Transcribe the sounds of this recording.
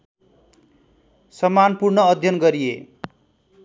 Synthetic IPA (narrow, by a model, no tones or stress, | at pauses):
sʌmanpurnʌːd̪ʱjʌnɡʌɾijḛ